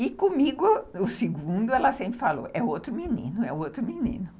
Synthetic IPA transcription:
ɪkõmiɡʊʊsɪɡũnd̪ʊɛlɐsẽmpɾɪfalo̰ʔɛot̪ɾʊminḭ̃nʊɛ̰owt̪ɾʊminḭ̃nʊ

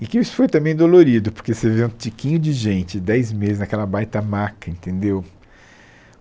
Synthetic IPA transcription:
ɪkɪisʊ̥fojt̪ɐ̃mbẽj̃d̪oloɾid̪ʊpoɾkeseveũt͡ʃikĩɲʊd͡ʒɪʒẽnt͡ʃɪd̪ɛjzmezɪznɐkɛlɐbajt̪ɐmakɐẽnt̪ẽnd̪ew

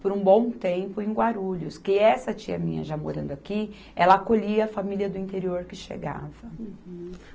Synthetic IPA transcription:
poɾũbõw̃t̪ẽmpʊẽj̃ɡwaɾuʎʊskɪɛsɐt͡ʃiɐmĩɲɐ̰ʒamo̰ɾɐ̃d̪ʊaki | ɛlɐakoʎiɐːfamiliɐd̪ʊĩnt̪eɾioɾkɪʃḛɡa̰vɐ

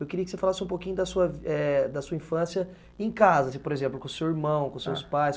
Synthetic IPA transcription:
ewkeɾiɐkɪsefalasɪũpokĩɲʊd̪ɐsuɐɛd̪ɐsuɐĩfɐ̃siɐ | ẽkazɐsĩpoɾezẽmplʊkõsewiɾmɐ̃w̃kõsewspajs

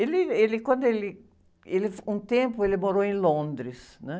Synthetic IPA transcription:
elɪelɪkwɐ̃nd̪ʊelɪ | elɪfũt̪ẽmpʊelɪmoɾoẽlõnd̪ɾɪsnɛ

